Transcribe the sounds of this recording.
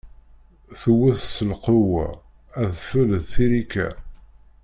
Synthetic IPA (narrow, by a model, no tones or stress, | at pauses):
θuwːæθsəlqʊwæ̰ | æðfələðθiɾikæ̰